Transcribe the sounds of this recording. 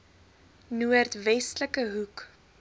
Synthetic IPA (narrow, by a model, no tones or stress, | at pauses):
nuərtvɛstləkəɦuk